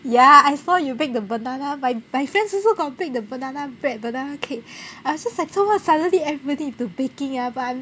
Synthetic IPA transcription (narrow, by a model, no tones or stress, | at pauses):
jaajsɔjubɛk̚dəbənãnamajmajfɹɛ̃ndsɔsoɡɔtbɛk̚dəbənãnabɹɛt̚bənanokʰeaɔd͡ʒaslaɪtomatsadənliɛvɹibɔdĩtubekɪ̃ŋabatã